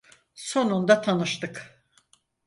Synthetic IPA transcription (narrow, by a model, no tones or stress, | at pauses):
so̞nund̪at̪ʰanɯʃt̪ɯk